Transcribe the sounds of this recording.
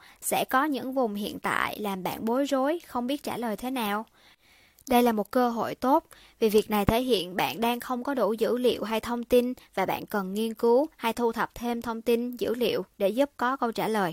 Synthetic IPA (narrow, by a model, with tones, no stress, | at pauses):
sɛ̰˧˥kɔ˨˦ɲɨ̰˧˥ŋvʊ˨˩ŋ͡mɦḭ˧˨ənt̪a̰ː˧˨jlaː˨˩mɓa̰ː˧˨nɓo˨˦jzo˨˦jxə˧wŋ͡mɓi˦˥ət̚t͡ɕaː˧˩ləː˨˩jt̪ʰe˨˦naː˨˩w | ɗə˧jlaː˨˩mo˨˩t̚kəː˧ɦo̰˧˨jt̪o˦˥t̚ | vi˨˩vi˨˩ək̚na˨˩jt̪ʰe˧˩˦jɦḭ˧˨ənɓa̰ː˧˨nɗaː˧ŋxə˧wŋ͡mkɔ˨˦ɗo˧˩zɨ̰˧˥lḭ˧˨əwɦa˧jt̪ʰə˧wŋ͡mt̪i˧nvaː˨˩ɓa̰ː˧˨nkə˨˩nŋi˧ənkɨ˨˦wha˧jt̪ʰu˧t̪ʰə˨˩p̚t̪ʰe˧mt̪ʰə˧wŋ͡mt̪i˧nzɨ̰˧˥lḭ˧˨əwɗe˧˩zu˦˥p̚kɔ˨˦kə˧wt͡ɕaː˧˩ləː˨˩j